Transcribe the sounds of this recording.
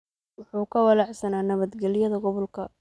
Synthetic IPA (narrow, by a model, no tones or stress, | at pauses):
wʊħuːkʰɐwɑlɑʕsɐnaːnɐβɐd̪ɡɛlɪjɐðɐɡɔβɔlkʰɐ